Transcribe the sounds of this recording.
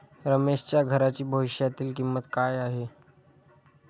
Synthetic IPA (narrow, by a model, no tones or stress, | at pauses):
ɾəmeɕt͡ɕjaɡʱəɾat͡ɕiːbʱəʋiɕjat̪iːlkimːət̪kajaɦe